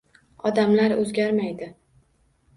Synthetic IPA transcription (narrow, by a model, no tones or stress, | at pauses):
ɒd̪amlaɾɵzɡʲaɾmajd̪ɪ